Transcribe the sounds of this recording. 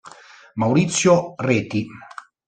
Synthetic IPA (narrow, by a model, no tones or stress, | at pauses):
mawɾit̪sjoreːt̪i